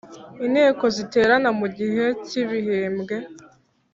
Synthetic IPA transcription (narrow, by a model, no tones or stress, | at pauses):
inheːko̞zite̞ːɾanamuɟiɦe̞ciβiɦeːmɡe̞